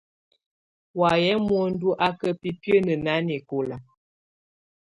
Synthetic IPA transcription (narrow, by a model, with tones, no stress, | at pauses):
wa˨jɛ˦mwɔ˦n̩˦du˦ʔa˦kə˦pi˦pjə˦nə˨na˨˦ne˨ko˨la˨